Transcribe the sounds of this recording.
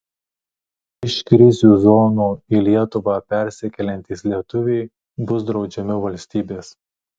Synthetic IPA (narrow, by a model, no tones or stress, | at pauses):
ɪʃkɾʲɪzʲuːzɔːnuːilʲiɛt̪ʊʋɑpʲɛɾʲsʲɛkʲɛlʲɛnʲt̪ʲiːslʲiɛt̪ʊʋʲɛɪ | bʊs̬d̪ɾɒʊd͡ʒʲɛmʲɪʋɐlʲsʲt̪ʲiːbʲeːs